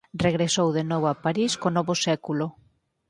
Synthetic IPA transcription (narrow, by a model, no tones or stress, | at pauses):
reɣɾesowðenɔβoapaɾiskonɔβosɛkulo